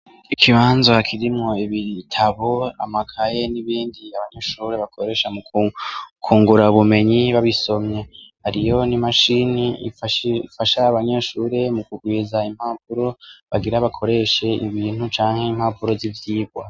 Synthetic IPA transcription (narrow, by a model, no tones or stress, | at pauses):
ikʰiβaːnzakʰiɾimŋo̞iβitʰaβo̞a̰makʰaje̞niβiːndiaβaɲe̞ʃuːɾe̞βakʰo̞ɾe̞ʃamu | kʰuːŋɡuɾauβume̞ɲiβaβiso̞mɲe̞haɾijo̞nimaʃiniifʃfaʃaːβaɲe̞ʃuːɾe̞mukuɡwiːzaim̥haːpuɾo̞βaɡiɾaβakʰo̞ɾe̞ʃe̞iβiːn̥hut͡ʃaːŋhe̞im̥haːpuɾo̞zivjiːb̚wa